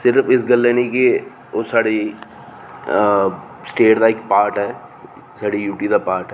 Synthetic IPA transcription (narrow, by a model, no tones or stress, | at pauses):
sɪɾfɪsɡəlːenike | osaːɽi | sʈeːʈd̪aekpaːɾʈɦɛː | saːɽijuːʈid̪apaːɾʈɦɛ